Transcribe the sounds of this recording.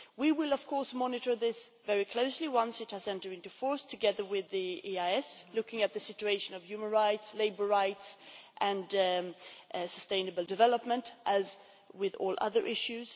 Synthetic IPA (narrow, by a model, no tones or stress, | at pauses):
wiwɪlˠʌv̥kʰɔɹsmɑnɨɾə˞ðɪsvɛɹikʰl̥oʊsliwʌ̃nsɨt̚hɨzɛ̃ntə˞ɾɪ̃ntʉfɔɹstʰɨɡɛðə˞wɪðiiaɪɛslʊkɪ̃ŋɨt̪̚ðɨsɪt͡ʃʉeɪʃɨ̃nʌv̥jʉmə̃nɹaɪtsleɪbə˞ɹaɪtsʔɨ̃nd | səstẽɪ̃nɨbl̩ˠdɨvɛləp̚mə̃ntʔɨz | wɪðɔ̰lˠʔʌ̰ðə˞ʔɪʃʉz̥